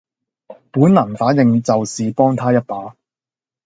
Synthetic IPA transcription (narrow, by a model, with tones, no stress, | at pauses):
puː˨˥nlaː˨˩nfaː˨˥njɪ˧ŋt͡sɐ˨wsiː˨pɔː˥ŋt̪ʰaː˥jɐ˥t̚paː˨˥